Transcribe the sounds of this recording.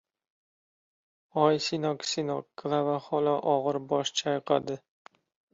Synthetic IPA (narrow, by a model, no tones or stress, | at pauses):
ɒjsinɒksinɒkːlˠavaχɒlaʔɒʁɨɾbɒʃt͡ʃʰajqʰa̰d̪ɪ